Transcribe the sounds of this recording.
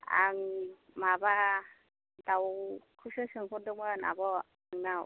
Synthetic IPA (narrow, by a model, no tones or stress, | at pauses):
a̰ŋ | maba | dawkʰɯsɯsɯŋpʰɔndɯkmana̰bɔ | aŋnaw